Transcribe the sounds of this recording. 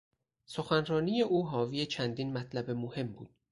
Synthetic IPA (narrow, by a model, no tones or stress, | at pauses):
so̞xænrɒːniːjeʔuːɦɒːviːjet͡ʃʰænd̪inmæt̪ʰlæbe̞mohe̞mbṵːd̪̥̚